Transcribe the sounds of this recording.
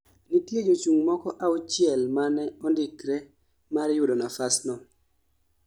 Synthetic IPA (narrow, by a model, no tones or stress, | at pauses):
nitjed͡ʒot͡ʃuŋmɔkɔʔaut͡ʃɪɛlmanɛɔndikɾɛ | maɾjʊdonafasnɔ